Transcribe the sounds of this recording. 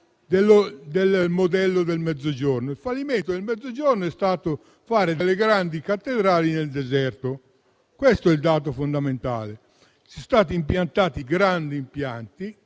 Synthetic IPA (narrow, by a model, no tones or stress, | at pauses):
d̪elːod̪elmod̪ɛlːod̪elmɛd̪zːod͡ʒornoilfalːiment̪od̪elmɛd̪zːod͡ʒornoɛst̪aːt̪o | faːɾed̪eleɡɾand̪ikat̪ːed̪ɾaːlineld̪ɛzɛrt̪o | kwest̪oɛld̪aːt̪̬ofond̪ament̪a̰ːle | sɛst̪aːt̪iːmpjant̪aːt̪iɡɾand̪iːmpjant̪i